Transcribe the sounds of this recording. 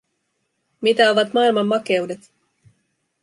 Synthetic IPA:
mit̪æo̞ʋɑt̪mɑilmɑmːɑke̞udet̪

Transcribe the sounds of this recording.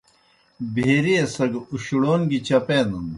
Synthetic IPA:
bʱeɾiesɐɡuɕuɽoːnɡit͡ɕɐpeːnɐn

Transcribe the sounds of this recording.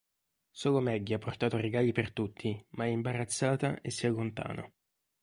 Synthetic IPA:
soːlomɛɟːiapːort̪aːt̪oreɡaːlipert̪ut̪ʰːimaɛimbaɾat̪sːaːt̪aʔesːialːont̪a̰ːno̰

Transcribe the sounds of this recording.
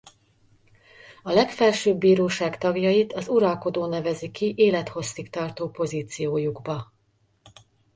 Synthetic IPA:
ɒlɛkfɛlʃøːbːiːɾoːʃaːkt̪ɒɡjɒit̪ɒzuɾɒlko̞d̪oːnɛvɛzikiʔeːlɛt̪ho̞sːikt̪ɒrt̪oːpo̞ziːt̪sijoːjuɡbɒ

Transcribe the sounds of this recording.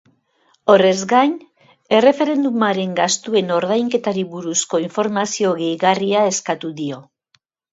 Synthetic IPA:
o̞re̞zɡajn | e̞re̞fe̞ɾe̞nd̪umaɾe̞ŋɡast̪ue̞no̞ɾð̞ajŋke̞t̪aɾiβuɾusko̞iɱfo̞ɾmasio̞ɣe̞jɣariae̞skat̪uðio̞

